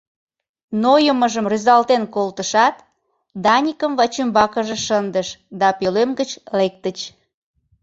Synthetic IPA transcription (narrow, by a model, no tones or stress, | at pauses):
nojəməʒəmryzɑlt̪enkolt̪əʃɑt̪ | d̪ɑnʲikəmvɑt͡ɕymbɑkəʒeʃənd̪əʃd̪ɑpelemɡət͡ɕlek̚t̪ət͡ɕ